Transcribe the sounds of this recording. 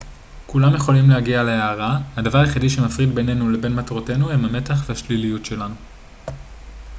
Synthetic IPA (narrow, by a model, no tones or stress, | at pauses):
kulamjeχo̞limlehaɡialeeaʁahadavaʁaχidiʃe̞mafʁidbe̞ne̞nule̞be̞nmatʁote̞nuemame̞taχvehaʃlilijutʃe̞lanu